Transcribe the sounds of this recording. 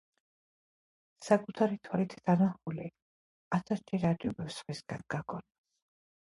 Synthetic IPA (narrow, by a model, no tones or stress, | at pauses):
sakʼut̪ʰaɾit̪ʰwalit̪ʰd̪anaχuli | at̪ʰast͡ʃʰiɾat͡ʃʼubɛfsχwisɡanɡaɡɔnɛs